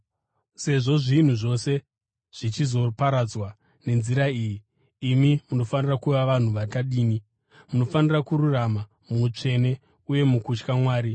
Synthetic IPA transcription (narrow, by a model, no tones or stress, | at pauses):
se̞ʐo̞ʐin̤uʐo̞se̞ | ʐ̥it͡ʃizo̞paɾad͡zwa | ne̞nziɾaiːjiː | mimuno̞fanirakuʋaʋan̤uʋataɗiːni | muno̞fanirakuɾurama | muut͡ʂe̞ne̞ | uje̞mukut͡ʃkamwaːɾi